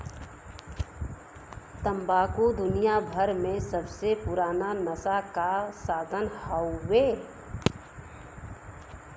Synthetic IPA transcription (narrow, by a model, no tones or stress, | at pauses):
t̪ə̃mbaːkud̪ʊnijabʱəɾmẽsəbsepʊɾaːnanəsakasaːd̪ʱənhəːeː